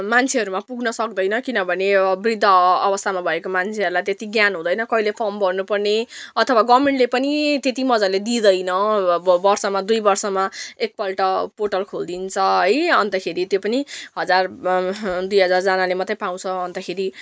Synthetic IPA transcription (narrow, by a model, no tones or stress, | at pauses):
mant͡sʰeɦʌɾumapuɡnʌsʌk̚d̪ʌjnʌkinʌbʱʌneʌbrid̪ʱːʌːbʌst̪ʰamabʱʌekomant͡sʰeɦʌɾulajt̪et̪iɡjanɦũd̪ʌjnʌkʌɦilepʰʌmbʌrnupʌrneʌt̪ʰʌwaɡʌmeɳʈlepʌnit̪et̪imʌd͡zaled̪id̪ʌjnʌbʌrsʌmad̪ujbʌrsʌmaek̚pʌlʈʌpoʈʌlkʰold̪int͡sʰʌɦʌjʌnt̪ʌkʰeɾit̪jopʌniɦʌd͡zar | d̪ujɦʌd͡zard͡zanalemʌt̪ːʌpaw̃t͡sʰʌːnt̪ʌkʰeɾi